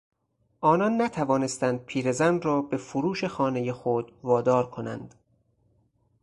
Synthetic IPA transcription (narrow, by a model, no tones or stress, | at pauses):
ʔɒːnɒnːæt̪ʰævɒːne̞st̪ænd̪̥̚pʰiːɾe̞zænrɒːbe̞fuɾuːʃe̞xɒːne̞jexod̪̥vɒːd̪ɒːɾkʰo̞næ̰nd̪̥